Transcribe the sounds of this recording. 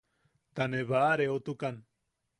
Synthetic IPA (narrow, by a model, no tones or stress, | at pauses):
t̪aneβaɾeot̪ukan